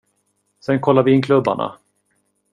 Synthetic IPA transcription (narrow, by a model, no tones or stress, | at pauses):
sɛnkʰɔlːaɾvɪɪnkʰlɵbːa̰ɳa̰